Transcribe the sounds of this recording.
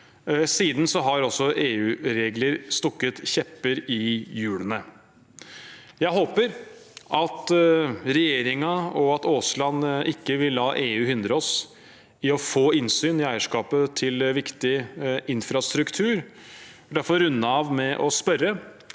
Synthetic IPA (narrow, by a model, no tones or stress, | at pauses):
siːd̪n̩sɔɦɑɾɔsːɔʔeːʉːɾeːɡləɾst̪ɔkːət̪çɛpːəɾɪjʉːlənə | jæɪɦoːpəɾʔɑt̪ɾɛjeːɾɪŋɑɔɑt̪oːslɑnʔɪkːəʋɪlːɑːʔeːʉːhʏnd̪ɾəɔs | ɪɔfoːɪnsyːnɪæɪəʂkɑːpət̪ʰɪlʋɪkt̪ɪʔɪnfɾɑst̪ɾʉkt̪ʰʉːɾ | d̪æɾfɔɾʉnːəɑʋmɛʔɔspœɾə